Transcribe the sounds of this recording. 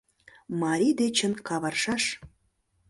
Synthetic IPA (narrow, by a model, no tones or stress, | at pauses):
mɑɾʲid̪et͡ɕə̆nkɑβɑrʃɑʃ